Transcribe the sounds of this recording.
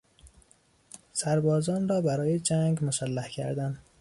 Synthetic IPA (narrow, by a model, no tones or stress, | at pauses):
sæɾbɒːzɒːnrɒːbæɾɒːjed͡ʒæŋɡmosælːæhcʰæ̰ɾd̪ænd̪